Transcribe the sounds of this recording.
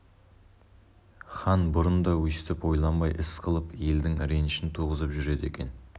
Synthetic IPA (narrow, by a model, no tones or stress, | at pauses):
χɑnbʊɾənd̪ɑwɵsɪt̪ɪpwo̞jlˠɑnbɑjʔɪsqʰəlˠəpje̞ld̪ɪŋɾenʃɪnt̪ʰuʁəzəpʒʏɾe̞d̪e̞̰kʲe̞̰n